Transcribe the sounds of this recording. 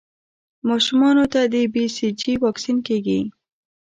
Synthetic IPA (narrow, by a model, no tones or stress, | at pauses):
mɑʃʊmɑnot̪ad̪əbisid͡ʒiwɑksinkeɡi